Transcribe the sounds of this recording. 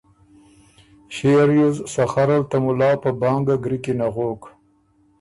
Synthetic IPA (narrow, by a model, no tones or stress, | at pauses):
ɕeɾjuzsaxaɾalt̪amulɑːpəbɑːŋɡaɡɾikinaɣoːk